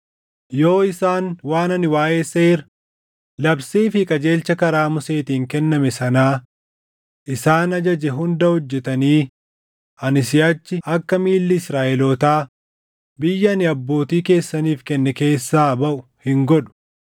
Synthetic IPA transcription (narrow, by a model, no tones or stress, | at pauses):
jo̞ːɪsaːnwaːnɐnɪwaːʔe̞ːseːɾ | lɐbsiːfɪkʼɐd͡ʒe̞ːlt͡ʃɐkɐɾaːmʊse̞ːt̪iːŋkɛnːɐmɛsɐnaː | ʔɪsaːnɐd͡ʒɐd͡ʒɛɦʊnd̪ɐhɔd͡ʒːɛt̪ɐniː | ɐnɪsɪjɐt͡ʃːɪʔɐkːɐmiːlːɪɪsɾaːʔɛlɔːt̪aː | bɪjːɐnɪɐbːo̞ːt̪iːke̞ːsːɐniːfkɛnːɛke̞ːsːaːbɐʔʊhɪŋɡɔᶑʊ̥